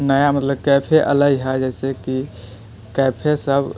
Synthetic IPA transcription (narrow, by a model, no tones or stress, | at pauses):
nəjamət̪ləb̚kɛːpʰeʔələɡɦɛd͡ʒɛːseki | kɛːpʰesəb